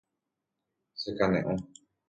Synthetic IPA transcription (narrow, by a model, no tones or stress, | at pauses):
sekanẽʔõ